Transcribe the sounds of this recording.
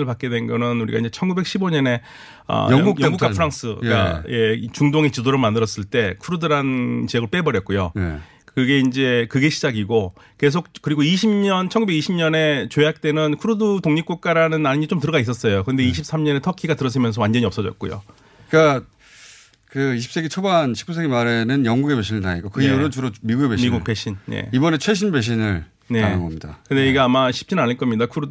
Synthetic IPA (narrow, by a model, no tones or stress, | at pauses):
ɯɭpak̚k͈edwe̞nɡʌnɯnuɾiɡa̰iɲd͡ʑe̞t͡ɕʰʌnɡube̞k̚ɕʰiboɲʌne̞ | ʌ̰ujʌŋɡukk͈apʰɯɾaŋs͈ʰɯɡa̰je̞it͡ɕuŋdoŋet͡ɕidoɾɯɭmandɯɾʌs͈ɯɭt͈e̞kʰuɾudɯɾant͡ɕiʌɡɯɭp͈e̞bʌɾjʌt̚k͈ojo̰ | kɯɡe̞ind͡ʑe̞kɯɡe̞ɕʰid͡ʑaɡiɡo | ke̞s̬ʰok̚k͈ɯɾiɡoiɕʰimɲʌnt͡ɕʰʌnŋɡubeɡiɕʰimɲʌne̞t͡ɕojak̚t͈e̞nɯnkʰuɾodutoŋɲip̚k͈uk̚k͈aɾanɯnanɯɲit͡ɕomtɯɾʌɡais͈ʌs͈ʌjokɯnde̞iɕ̬ʰip̚s͈amɲʌne̞tʰʌkʰiɡatɯɾʌs̬͈ʰɯimjʌnsʰʌwand͡ʑʌɲiʌps͈ʌd͡ʑʌt̚k͈o̰jo̰ | k͈a | kɯiɕʰi̥p̚s͈eɡit͡ɕʰobanɕʰik͈us̬ʰeɡimaɾenɯnjʌŋɡuɡe̞be̞ɕʰinɯɭna̰ɲik͈okɯoɾɯnt͡ɕuɾomiɡuɡebemiɡukp͈eɕʰinne̞̰ibʌnet͡ɕʰweɕʰinbe̞ɕ̬ʰinɯɭ | ne̞a̰nɯnɡʌmɲida̰kɯnde̞iɡeamaɕʰi̥p̚t͡ɕ͈ʰinaniɭk͈ʌmɲidakʰuɾo